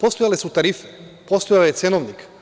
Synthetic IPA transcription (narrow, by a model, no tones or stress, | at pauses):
post̪ojalɛsut̪aɾifi̥ | post̪ojaljesenoʋnik